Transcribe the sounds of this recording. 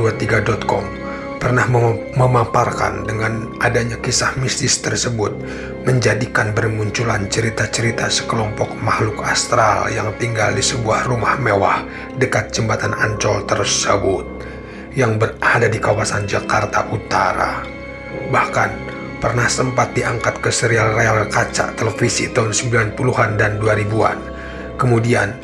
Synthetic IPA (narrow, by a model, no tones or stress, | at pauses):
uat̪iɡadɔt̪̚kɔm | pərnahəməmaparka̰ndəŋan | ʔadaɲakisahmist̪ɪst̪ərsəbʊt̪̚ | məɲd͡ʒadikanbərmuɲt͡ʃulant͡ʃəɾit̪at͡ʃəɾit̪asə̥kəlɔmpɔk̚mahlʊkast̪ɾaljaŋt̪iŋɡaldisəbuahrumahmewah | dəkat̪̚d͡ʒəmbat̪anaɲt͡ʃɔlt̪ərsəbʊt̪̚ | jaŋbəradadikawasand͡ʒakart̪a̰ʔut̪aɾa̰ | bahkan | pərnahsəmpat̪̚diʔaŋkat̪̚kəsəɾialrealkat͡ʃa̰ʔt̪ələfisit̪aɦunsəmbilanpuluɦandanduaɾibua̰n | kəmudian